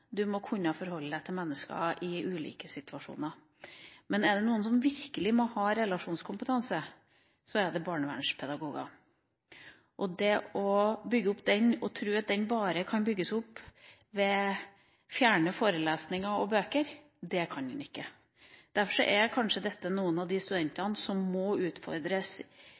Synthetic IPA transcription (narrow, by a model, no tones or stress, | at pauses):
d̪ʉmɔkʰʉnːəfɔɾhɔlːəd̪æɪt̪ʰɪlmɛnːəskɑ̰ʔɪʔʉːlḭːkəsɪt̪ʰʉɑʂṵːnəɾ | mɛnɛɖɛnuːəns̬ɔmʋɪɾkəlɪmɔhɑːɾɛlɑʂuːnskʰʊmpət̪ʰɑnsə | sɔæɾɖ̪ɛbɑːɳəʋæ̰ɳʂpʰɛd̪ɑɡuːɡɑ̰ | ʔɔd̪ɛɔbʏɡːəʊpd̪ɛnɔt̪ʰɾʉːɑt̪̚d̪ɛnbɑːɾəkʰɑnbʏɡːəsʊpː | ʋɛ | fjæːɳəfoːɾəleːsnɪŋɑɔbøːkəɾ | d̪ɛkʰɑnd̪ɛ̰nɪkːə | d̪̥æɾfɔʂɔ̰ʔɛɾkʰɑnʂəd̪ɛt̪ːənuːənɑʋd̪ɪst̪ʉd̪ɛnt̪ɑnəsɔmːɔʉːt̪fɔ̰ɾd̪ɾəs